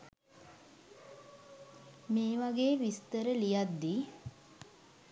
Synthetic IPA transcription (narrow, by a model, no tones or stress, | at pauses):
meːʋaɡeːʋist̪əɾəlijad̪ːi